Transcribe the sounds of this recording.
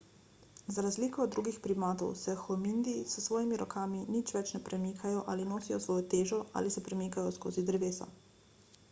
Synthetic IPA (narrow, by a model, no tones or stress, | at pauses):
zaɾazliːkɔd̪ːɾuːɡixpɾimaːt̪ɔ̰wsɛxɔmind̪isəsʋɔːjimiɾɔkʰaːminit͡ʃʋɛt͡ʃnɛpɾɛmiːkʰajɔʔa̰ːlinoːsijɔsʋɔːjɔt̪eːʒɔʔa̰lisɛpɾɛmiːkajɔsko̰ːzid̪ɾɛʋeːsɔ̰